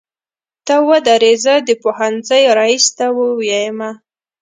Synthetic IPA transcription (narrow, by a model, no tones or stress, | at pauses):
t̪awad̪aɾezəd̪əpohanzəjɾɑist̪awəwjajəma